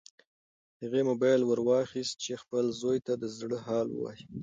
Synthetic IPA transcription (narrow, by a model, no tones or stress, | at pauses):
haɣemobɑjlwəɾwɑxist̪̚t͡ʃexpəlzojt̪ad̪əzɽəɦɑlwə̰wɑ̰ji